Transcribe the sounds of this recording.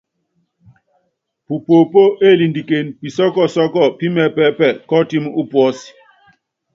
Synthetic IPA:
pu˨po˨po˦ʔe˦˨li˨ndi˨ke˨npi˨sɔ˦kɔ˦˨sɔ˦kɔ˦˨pi˦mɛ˦pɛ˦pɛ˦˨kɔ˦ti˦m˦u˦pwɔ˦si̥˨

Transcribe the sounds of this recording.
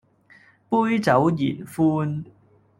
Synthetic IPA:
puː˥jt͡sɐ˨˥wjiː˨˩nfuː˥n

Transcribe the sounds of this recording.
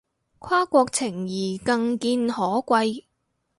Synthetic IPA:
kʰaː˥kʷɔː˧k̚t͡sʰɪ˨˩ŋjiː˨˩kɐ˧ŋkiː˧nhɔː˨˥kʷɐ˧j

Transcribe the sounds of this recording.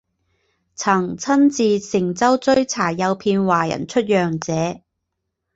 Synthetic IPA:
t͡sʰɐ˨˩ŋt͡sʰɐ˥nt͡siː˨˧sɪ˨˩ŋt͡sɐ˥wt͡sɵ˥ɥt͡sʰaː˨˩jɐ˨˧wpʰiː˧nwaː˨˩jɐ̰˨˩nt͡ʃʰɵ˥t̚jœː˨˩ŋt͡sɛː˨˧

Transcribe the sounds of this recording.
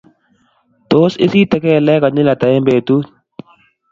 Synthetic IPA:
t̪o˦sɪ̰˦si˦t̪ɛ˨˦kɛ˦˨lɛ˦ka˨nɪ˦la˨t̪a˨e˦mbeː˨t̪u˦

